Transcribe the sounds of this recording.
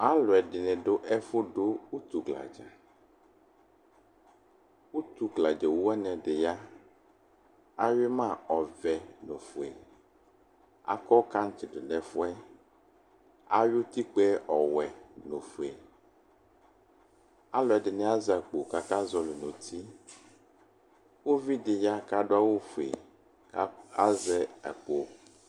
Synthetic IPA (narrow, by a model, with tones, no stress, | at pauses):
a˦lɔ˨ɛ˨ɖɪ˨nɛ̃˨ɖʊ˦ʔɛ˦fʊ˦ɖo˦wu˦t̪u˨ɡla̰˨d͡ʒɛ̰˨ | wu˦t̪u˨ɡla˨d͡ʒɛ˨wu˦ɛ˦nɛ̃˨ɖɪ˨ja˦ | a˦ɥɪ˦mã˦˨ɔ˨vɛ˨no˨fu˨e˨ | a̰˦kɔ˦ka˦ŋ̩˦t͡ʃɪ˨ɖʊ˨nɛ˨fʊ˦ɛ˦ | a˦ɥʊ˦t̪i˦k͡pɛ˦ʔɔ˨wɛ˨nõ˨fe˨ | a˦lɔ˨ɛ˨dɪ˨nɛ̃˦a˦zɛ˨k͡po˨ka˨ka˦zɔ˨lo˨nõ˨t̪ʰi˦ | wo˦vi˦dɪ˨ja˦ka˦ɖo˦a˦wo˦fu˨ḛ˨˦ | a˦zɛ˨ɛ̰˨k͡po˨